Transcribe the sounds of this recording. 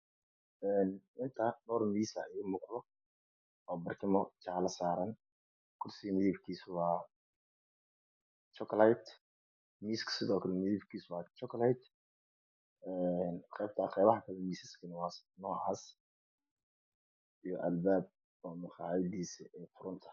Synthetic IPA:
ɛːnʔɪnt̪ʰɐnɔːrmiːsɐɪɪmʊqdɔ | ɔːbɐrkʰɪmɔt͡ʃɑʕlɐsaːɾɐn | kʰʊrsɪmɪðiːbkʰiːswɑː | t͡ʃɔklajt̪ | miːskʰsɪðɔːkʰɐlɛmɪðiːbkʰiːswɑːt͡ʃɔklajt̪ | ɛnqɛjb̚t̪ʰaːqɛjβɐħakʰɐlɛmiːsɪskʰɐnɪwɑːsnɔːʕa̰ːs | ijɔ̰ʔɐ̰lbaːb̚ | ɔːmʊxɑ̰ːʕɪd̪iːsɛːfʊɾʊnt̪ʰɐ̥

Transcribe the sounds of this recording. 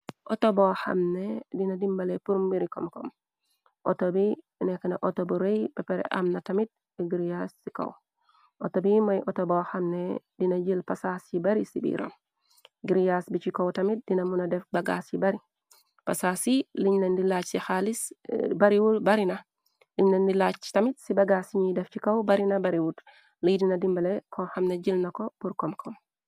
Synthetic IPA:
ʔotoboha̰mnedinadimbalepuɾmbiɾiko̰mkom | ʔo̰tobi | nekanaʔotobuɾejbepeɾḛʔa̰mnatamit̚ | biɡiɾijasːiko̰w | ʔotobimojʔotoboxamne | dinaɟilpasasibaɾisibḭɾo̰m | ɡiɾijasbit͡ʃikɐwtɐmit̚dinɐmunɐdɛfbɐɡa̰sjibɐɾi | pasasiliɲnɐndilat͡ʃsixalisbaɾiwubaɾina | liɲnɐndilat͡ʃtɐmitsibɐɡasiɲidɛft͡ʃikɐwbaɾinɐbaɾiwut | lijdinɐdimbɐlɛkʰɔxamnɛd͡ʒilnɐkɔpuɾkɔmkʰɔm

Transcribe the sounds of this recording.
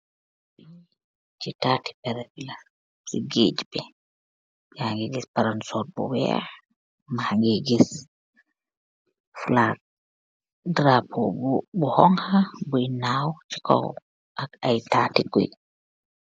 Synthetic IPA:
bi | t͡ʃitati̥pɛɾɛbilas | sḭɡed͡ʒbɛ | bihaŋɡeɡispaɾansɔt̚bɔ̰wɛ̰ | mahaŋɡeɡis | flaɡ̚ | dɾapʰobɔhɔŋhabuinawt͡ʃi̥kɔ̰w | ʔakajtaːtiɡṵj

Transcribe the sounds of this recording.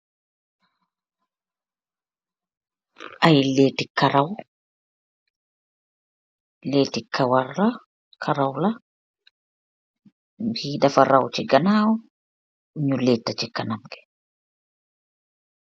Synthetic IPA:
ajleːtikːaɾaw | leːtikʰːawarla | kʰaɾawla | biːdafaɾawt͡ʃiɡanaːwɔ | ɲulɛtːat͡ʃikanamɡɛ̥

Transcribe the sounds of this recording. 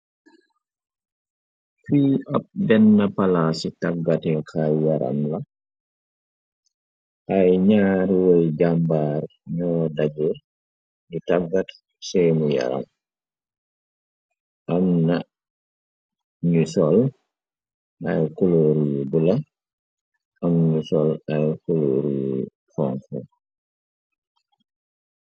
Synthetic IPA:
fiːap̚bɛnːɐpalasitaɡatɛkʰajjaɾa̰mla | ʔajɲaːɾwɔjd͡ʒambaːɾ | ɲɔːdaɟu | ditaɡat | sɛjmuja̰ɾa̰m | ʔamna | ɲusɔl | ʔajkuloɾujubula | ʔamɲusɔlajkulo̰ɾuju | fɔŋfɔ

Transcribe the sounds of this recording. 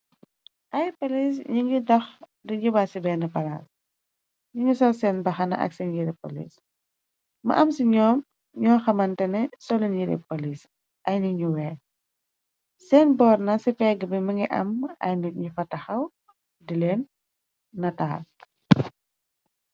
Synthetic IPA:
ʔɐjpolis̬ɲiŋidɐx | diɲubasibɛːnɐpɐla̰s | ɲuɲusɐlsɛːnbɐxɐnɐ̰ʔɐ̰ksɛnjiɾɛpo̰lḭs | mɐ̰ʔɐmsiɲɔːm | ɲɔːxɐmɐntɛnɛsɔliɲiɾɛ̰polis | ʔɐjniɲuwɛː | sɛːnbɔːrnɐsifɛɡəbimɐŋɡiʔɐ̰mɐ̰jnikɲufɐtɐxɐw | dilɛːnː | ɐtaːl

